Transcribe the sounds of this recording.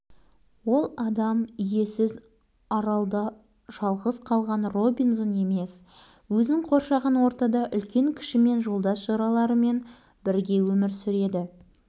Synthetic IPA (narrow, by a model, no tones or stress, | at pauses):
wo̞lˠɑd̪ɑmʏje̞sɪz | ɑɾɑlˠd̪ɑ | ʒ̥ɑlˠʁəzqʰɑlˠʁɑnro̞binzone̞me̞s | wɵznɪɴqʰo̞ɾʃɑʁɑnwo̞ɾt̪ɑd̪ɑʔʏlkʲe̞ŋkʲʰɪ̥ʃɪme̞nʒo̞lˠd̪ɑsʒɑɾɑlˠɑɾəme̞n | bɪɾɡʲe̞wɵmɪɾsʏɾe̞d̪ɪ